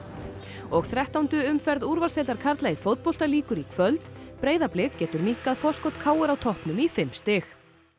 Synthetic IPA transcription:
ɔɣθɾɛht̪awnt̪ʏʏmfɛɾðuɾvalseːlt̪aɾ̥kʰaɾt̪laifowt̪̚pɔwl̥t̪aliːkʏɾikʰvœlt̪pɾeːjðaplɪɣcɛːt̪ʏɾmiŋ̥kaðfɔ̥skɔt̪kʰaːwʏɾawt̪ʰɔhpnʏmifɪmst̪ɪx

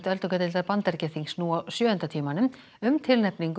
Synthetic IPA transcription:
t̪œlt̪ɔkɛt̪ɪlt̪aɾpant̪ɛɾcɛθiŋsnuawsjœːʏnt̪at̪ʰiːmanʏm | ʏmt̪ʰɪlnɛpniŋk

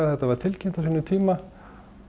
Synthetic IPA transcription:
aðθɛht̪ːavaɾ̥t̪ʰɪlcɪnt̪asinːʏt̪ʰiːma

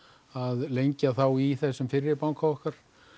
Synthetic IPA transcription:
aðlejɲcaθawiθɛsːʏmfɪɾːɪpawŋkʰaɔhkaɾ̥

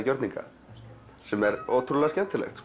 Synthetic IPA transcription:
cœɾt̪niŋka̰ | sɛmɛɾoːwt̪ʰɾulaascɛn̥t̪ɪlɛ̰xt̪

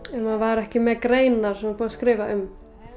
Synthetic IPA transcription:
ɛnmanvaɾɛhcɪmɛðkɾeːjnaɾ̥sɛmapuːðaskɾɪːvaʏm

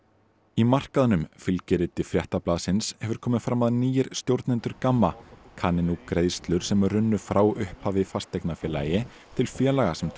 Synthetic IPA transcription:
imar̥kaðʏnʏmfɪlcɪɾɪt̪ɪfɾjɛht̪aplaːðsɪnshɛvʏɾ̥kʰɔːmɪfɾamːaðniːjɪɾ̥st̪jowɾt̪nɛnt̪ʏɾkamːakʰaːnɪnukɾeːjðst̪lʏɾ̥sɛmrːʏnːʏfɾʔaːwʏhphavɪfast̪ejknafjɛːlajɪ | t̪ʰɪlfjɛːlaɣasɛm

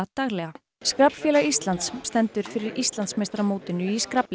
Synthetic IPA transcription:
at̪aɣlɛɣa | skɾapn̥fjɛːlaʔist̪lant̪sːt̪ɛnt̪ʏɾ̥fɪɾɪɾist̪lant̪smest̪ɾamoːwt̪ɪnːʏiskɾapl

